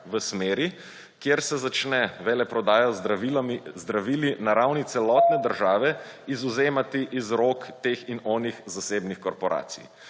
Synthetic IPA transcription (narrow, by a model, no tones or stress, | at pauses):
ʋəsmeːɾi | kjeɾsɛzat͡ʃnɛʋɛlɛpɾɔd̪aːjazizd̪ɾaʋiːlinaɾawnit̪sɛlɔːt̪nɛd̪əɾʒaːʋɛizuzeːmat̪iʔizɾokt̪eːxinɔːnixzaseːbnixkɔɾpɔɾʔa̰ːt̪sḭj